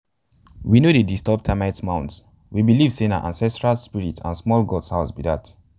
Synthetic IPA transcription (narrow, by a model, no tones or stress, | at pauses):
winodedistɔp̚tʰamatsmãʊ̃nts | wibilivsẽnã̰nʔã̰nsɛstɹalspiɹitã̰nsmɔlɡɔdshaʊsbidat